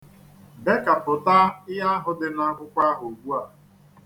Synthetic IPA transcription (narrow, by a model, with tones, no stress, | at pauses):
be˦ka˨pʊ˨ta˦ɪ˦ɦa˦a˦ɦʊ˨dɪ˦na˦kʷʊ˦kʷa˦ɦo˨ɡʷu˦a˨